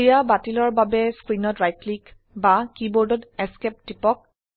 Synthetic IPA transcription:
ijabatilɔɹbabɛskɹinɔtɹajtlik | bakibɔɹdɔtɛskɛp̚tipɔk̚

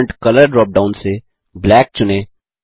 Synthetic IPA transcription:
ɳʈkɐləɾɖɾɔːp̚ɖãːʊ̃nse | blɛːk̚t͡ʃʊne

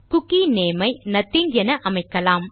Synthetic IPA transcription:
kʊkːineːmɐɪnɐt̪ːiŋɡɛnɐʔɐmɐɪkːɐlaːm

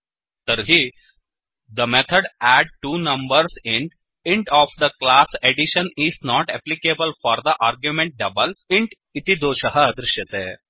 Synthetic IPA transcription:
t̪əɾɦi | d̪əmet̪ʰəɖæɖ̚ʈuːnɐ̃mbəɾseɳʈ | iɳʈɔːfd̪əklaseɖiʃəniznɔʈɛplikebəlfɔːɾd̪əʔaːɾɡjumẽɳʈ̚ɖɐbəliɳʈ | it̪id̪oːʃəɦəːd̪ɾɪʃjət̪e

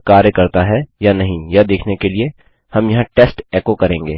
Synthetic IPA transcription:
kaːɾjəkɐɾt̪aɦɛjanɐɦĩjad̪eːkʰnekelie | hɐmjɐɦãʈeːsʈɛːkokɐɾẽːŋɡeː

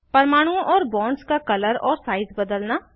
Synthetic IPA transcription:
pəɾmaːɽ̃ũʔɔːɾbɔ̃ːnɖskaːkələɾɔ̰ːɾsaːizbəd̪əlnaː

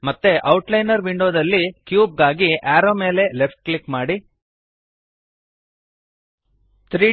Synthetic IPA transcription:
mɐt̪ːeʔɐwuʈlɐjnɐɾʋiɳɖoːd̪ɐlːikjuːb̚ɡaːɡiaːɾoːme̞ːle̞lepʰʈ̚klikmaːɽi | t̪ʰɾiː

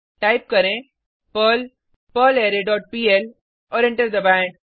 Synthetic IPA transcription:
ʈaːɪp̚kɐɾẽ | pəl | pəːleːɾeɖɔːʈ̚piːel | ɔːɾɛ̃ɳʈəɾd̪ɐbɛ̃ːɳɖ̚

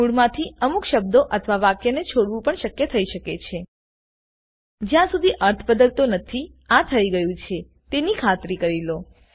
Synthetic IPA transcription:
uɽmãt̪ʰiəmukʃəbd̪oʔət̪ʰʋaʋakjənet͡ʃʰoɽʋũpəɳʃəkjət̪ʰəiʃəket͡ʃʰe | d͡ʒjãsud̪ʱiʔəɾt̪ʰəbəd̪əlt̪onət̪ʰi | at̪ʰəiɡəjũt͡ʃʰe | t̪enikʰat̪ɾikəɾilo

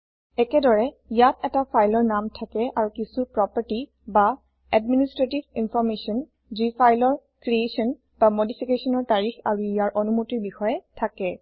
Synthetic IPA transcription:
ɛkɛdɔɹɛ | ijatɛtapʰajlɔɹnamtʰakɛʔaɹukisupɹɔpaɹti | ba | ɛdministɹetibinfʰɔɹmesɔn | zipʰajlɔɹkɹiesɔn | bamodipʰikesɔnɔɹtaɹixaɹuijaɹʔɔnumutiɹbixɔjɛtʰakɛ

